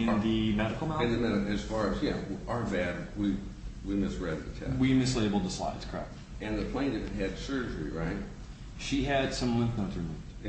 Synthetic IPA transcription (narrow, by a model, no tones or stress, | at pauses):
ɨ̃nðɨmɛɾɨkl̩ˠmãɨ̃nðɨmɛɾɨɨz̥fɑɹɨzjæ̰ə˞bæd̚wiwimɪsɹɛɾɨɨ̰tʰɛ̰wimɨsleɪbl̩ˠd̪̚əsla̰ɪdz̥kʰɛ̰k̚t | ɨ̃nðɨpʰl̥ẽɪ̃ñɨvɨt̚ɦɨd̥sɜ˞d͡ʒə˞ḭɹaɪt̚ | ʃiɨd̥sʌ̃mlɪ̃ŋknoʊtɨmuvd̥